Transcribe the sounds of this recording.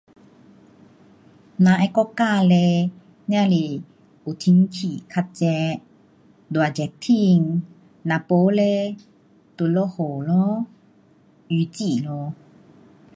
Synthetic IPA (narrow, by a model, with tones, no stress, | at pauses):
nã˨ʔɛ˧˦kɔ˦kːa˥˧˨le˧ | nj̃ã˧˨li˧˩ | u˨t̪ʰi˧˦ŋkʰi˨kʰa˧t̚t͡ɕɛ˧˦ | d̪wa˨d͡ʑɛ˨˩k̚t̪ʰi˧˨ŋ | nã˨po˨˦le˧˦ | t̪u˧˨lo˦˧˦ho˨˩˨lɔ˦ | y˧˦t͡ɕi˧˨lɔ˧˦